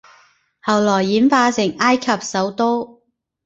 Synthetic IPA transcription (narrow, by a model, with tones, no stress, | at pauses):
hɐ˨˩wlɔː˨˩jːiː˨˥nfaː˧sɪ˨˩ŋaː˥jkʰɐ˨p̚sɐ˨˥wt̪o˥w